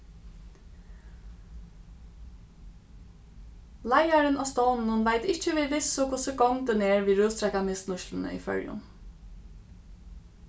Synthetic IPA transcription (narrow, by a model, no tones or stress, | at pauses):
læɪɑɹənʔoːst̪oːnn̩uːnʋæɪt̪ɪc͡çəʋɪːʋɪsʊkʰʊsəɡɔŋd̪ɛneːɹʋiːɾœːst̪ʰɾɛkɑmɪsnʊʃln̩ə̰ʔḭːfœ̰ɹjʊ̰n